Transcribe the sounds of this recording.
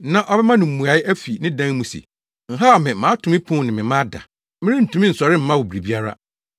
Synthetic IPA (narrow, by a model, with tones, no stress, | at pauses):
nã˦ʔɔ˦bɛ˦mã˦nʊ̃˨m̩˨mũ˨a˨˦ɪ˦ʔæ˦fi˨nɪ̃˦dã˦ŋ˦mũ˨sḭ˨ | ŋ̩˨ɦa˦˨mɪ̃˨mãː˨˦tʰʊ˨mɪ̃˦pʰʊ̃˦˨nɪ̃˨mɪ̃˨mã˦da̰˨ | mɪ̃˦ɾɪ̃˦n̩˨tʰũ˨˦mɪ̃˦n̩˨sɔ˨ɾɪ˦m̩˦mã˦wo˨bɾi˨bi˦a˦ɾa̰˦